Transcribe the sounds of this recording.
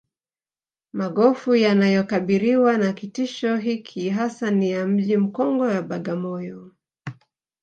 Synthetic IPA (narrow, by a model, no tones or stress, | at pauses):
maɠɔfujanajɔkaɓiɾiwanakitiʃɔɦikʰiɦasanijam̩ʄim̩kɔŋɡɔjaɓaɠamɔjɔ